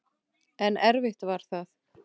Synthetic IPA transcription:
ɛnɛɾvɪht̪vaɾ̥θaθ

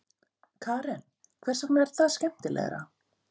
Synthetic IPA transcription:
kʰaːɾɛn | kʰvɛr̥saknaɛɾ̥θaðscɛm̥t̪ɪlʔɛ̰ɣɾa̰

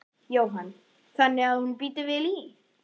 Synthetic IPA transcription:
jowɦan | θanːɪaðhunpiːt̪ɪvɪli

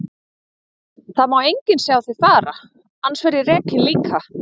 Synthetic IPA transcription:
θaðmawejɲcɪnsjawθeðfaːɾa | ansvɛɾjɪrɛːkɪnliːkʰa

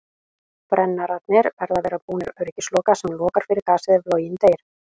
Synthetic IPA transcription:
pɾɛnːaɾat̪̚nɪɾvɛɾðavɛːɾapuːnɪɾœɥɾɪcɪslɔːkasɛmlɔːkaɾ̥fɪɾɪɾkaːsɪðɪvloːwjɪnt̪eːjɾ̥

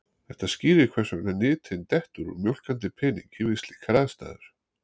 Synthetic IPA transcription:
θɛht̪asciːɾɪkʰvɛrsʏɛnanɪːt̪ʰɪnt̪ɛht̪ʏɾɔ̰mjowl̥kant̪ɪpʰɪnḭŋkivɪst̪lɪkʰɾaːðst̪a̰ːðʏ̰ɾ̥

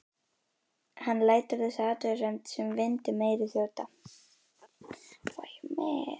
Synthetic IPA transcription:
hanːlaːjt̪ʏɾðɪsaːt̪œrɛmt̪sɛmvɪnt̪ɪmeːjɾɪθjoːwt̪a | ajmɛː

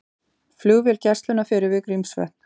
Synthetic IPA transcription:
fluɣvɪlcɛrst̪lʏnafɪːɾɪvɪkɾimsvɛ̰ht̪n̥

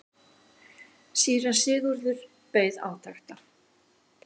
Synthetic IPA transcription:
siːɾasɪːɣʏɾðʏɾ̥ | peːjða̰ːwt̪ʰajxt̪a

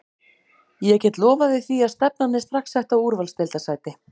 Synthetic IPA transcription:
jɛcɛːt̪lɔːvavɪðθiaðst̪ɛp̚nanːɪst̪ɾaxksɛht̪awuɾvalst̪ɛlt̪asaːjt̪ɪ

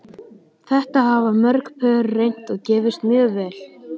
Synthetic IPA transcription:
θɛht̪aɦavamœɾkpʰœːɾrejn̥t̪ɔɣcɛːvɪst̪mjœːɣvɛːl

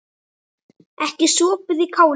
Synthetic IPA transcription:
ɛhcɪsɔːpʏðikʰaːw

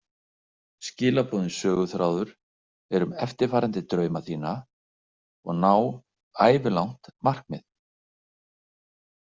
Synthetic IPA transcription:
scɪːlapʰɔːðɪnsœːɣʏθɾaːwðʏɾ̥ | ɛɾʏmɛft̪ɪɾ̥faːɾant̪ɪt̪ɾœːɥmaθiːna | ɔ̰ɣnaw | aːjvɪlawn̥t̪mar̥kmɪ̰ð

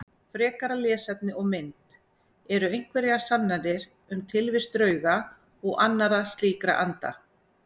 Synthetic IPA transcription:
fɾɛːkaɾaljɛːsɛt̪̚nɪɔɣmɪnt̪ | ɛɾʏejŋ̥kvɛɾjḁsanːaðɪɾ | ʏmt̪ʰɪlvɪst̪ɾœːɥɣa | ɔɣanːaɾast̪liːkɾa̰ʔant̪a̰

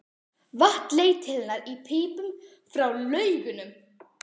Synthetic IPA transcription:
vaht̪leːjt̪ʰɪlɪnaɾipʰɪːpʏm | fɾawlœːɥɣʏnʏm

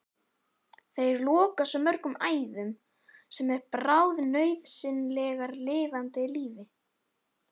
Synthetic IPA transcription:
θejɛɾlɔːkasɔmːœr̥kʏmaːjðʏm | sɛmɛɾpɾawðnœːɥðsɪnlɛːɣaɾlɪːvant̪ɪliːvɪ

